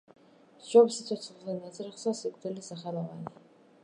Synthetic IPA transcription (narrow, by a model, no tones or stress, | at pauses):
d͡ʒɔbsit̪sʰɔt̪sʰχzɛnat̪sʼɾiχsasikʼd̪ɛlisaχɛlɔvani